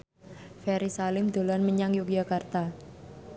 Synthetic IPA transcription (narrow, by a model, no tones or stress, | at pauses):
fɛɾisalɪmd̪̥o̤lanməɲaŋjukjakart̪a